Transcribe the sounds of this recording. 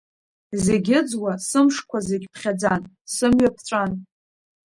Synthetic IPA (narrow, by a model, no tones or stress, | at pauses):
zeɡʲɪd͡zwasɨmʂkʷʰazeɡʲpʰχʲad͡zan | sɨmɥapʰt͡ɕʷʼan